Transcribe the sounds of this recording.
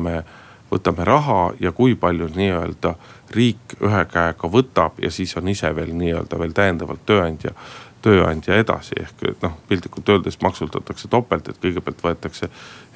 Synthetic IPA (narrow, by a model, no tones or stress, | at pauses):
me̞ | vɤ̰t̪ːˑɑme̞ɾʔɑɦɑjɑkujpɑlʲjuniːø̞̰ld̪̥ɑriːky̰ɦekæeɡ̥ɑvɤt̪ːˑɑb̥jɑ̰siːso̞niseve̞ːlniːø̞ːld̪̥ɑve̞ːlt̪æjend̪ɑvɑ̰lt̪ːøːɑnʲd̪̥ʲjɑ̰t̪ø̞ːɑ̰nʲd̪̥ʲjɑe̞d̪ɑ̰sḭʔe̞̰hkno̞hpilʲd̪ikːult̪ːøːld̪̥e̞st̪mʔɑksut̪ːɑt̪ːˑɑkse̞t̪o̞pːˑelt̪ːˑe̞̰t̪̚kɤjɡ̥e̞b̥eɑlt̪vɤet̪ːˑɑkse̞